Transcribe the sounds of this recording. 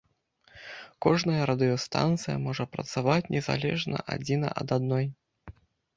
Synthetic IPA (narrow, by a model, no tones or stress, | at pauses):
kɔʐnɐjɐɾɐd̪ɨjɔst̪a̰nt̪sɨjɐ̰mɔʐɐpɾɐ̰t̪savat͡sʲnʲɛza̰lʲɛʐnɐ̰ʔa̰d͡zʲinɐ̰ʔɐ̰d̪ad̪nɔj